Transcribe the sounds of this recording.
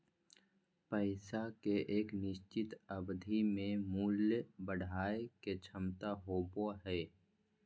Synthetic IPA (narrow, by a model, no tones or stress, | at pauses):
pəɪsakeʔeːknɪʃt͡ʃɪt̪əbd̪ʱimẽmuːljəbəɽ̤ʱaːeket͡ʃʰəmt̪aɦoːboɦɛː